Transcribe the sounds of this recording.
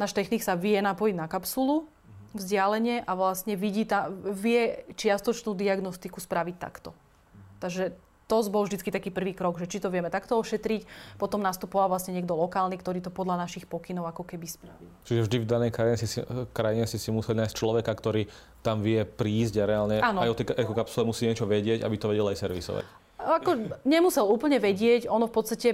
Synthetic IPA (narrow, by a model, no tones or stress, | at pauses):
naːʃt̪ɛxniksaʋɪɛnapɔjiɟnakapsulu | vzɟɪalɛɲɪɛʔaʋlasɲɛʋiɟiːt̪aʋɪɛt͡ʃɪast̪ɔt͡ʃnuːd̪iaɡnɔst̪ikuspɾaʋic̚t̪a̰kt̪ɔ | t̪aɡʒɛ | t̪ɔzbɔlʒd̪it͡skit̪akiːpr̩ʋiːkɾɔɡʒɛt͡ʃit̪ɔʋɪɛmɛt̪akt̪ɔɔʃɛt̪ɾicpɔt̪ɔmnast̪upɔʋalʋlasɲɛɲɛɡd̪ɔlɔkaːlnikt̪ɔɾiːt̪ɔpɔd̪ʎanaʃixpɔkinɔʊakɔkɛbispɾaʋilt͡ʃiʒɛvʒd̪ivd̪anɛjkɾaiɲɛsisikɾajiɲɛsisimusɛlinaːjsct͡ʃlɔʋɛkakt̪ɔɾiː | t̪amʋɪɛpɾiːzɟaɾɛalɲɛanɔajɔt̪ɛʔɛkɔkapsulɛmusiːɲɪɛt͡ʃɔʋɛɟɪɛɟa̰bit̪ɔʋɛɟɛlajsɛɾʋḭsɔ̰ʋa̰c | akɔɲɛmusɛluːpl̩ɲɛʋɛɟɪɛcɔnɔfpɔt̪st̪acɛ